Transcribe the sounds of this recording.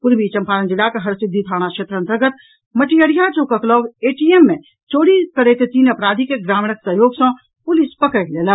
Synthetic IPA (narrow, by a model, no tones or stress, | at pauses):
pʊɾbit͡ʃɐmpaːɾənd͡ʒɪlakeɦɐɾsɪd̪ʱːit̪ʰaːɽ̃aʃʰeːt̪ɾəənt̪əɾɡət̪ | mɐʈijəɽijat͡ʃoːkəklɔːʋeːʈiemːẽ | t͡ʃoːɽikəɽet̪et̪iːnɐpɾaːd̪ʱikeɡɾaːmɳəksəɦjoːɡsɔ̃ | pʊlispəkəkleːla